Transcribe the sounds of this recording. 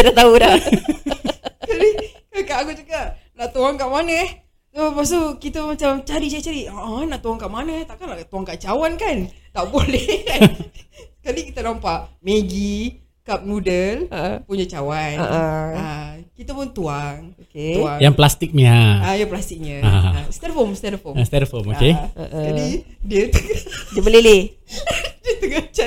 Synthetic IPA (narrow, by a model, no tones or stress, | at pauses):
ədat̪auda | kalikalkaʔkut͡ʃukaʔnaʔt̪uaŋkaʔmanə | sopas̬t̪ukit̪əmat͡ʃamt͡ʃaɾit͡ʃait͡ʃaɾiʔənaʔt̪uaŋkaʔmanət̪aʔkanaʔt̪uaŋkaʔt͡ʃawankant̪aʔbolɛh | sə̥kalikit̪anampaʔmeɡi | kap̚nudəlpuɲat͡ʃawanəʔakit̪apʊnt̪uaŋokeaŋjaŋplast̪ik̚ɲiaajaplast̪ik̚ɲaa̰st̪ɛɾfomst̪ɛɾəfost̪ɛɾəfomokeəʔkadidiət̪udiəbəlele | diət̪uɡat͡ʃa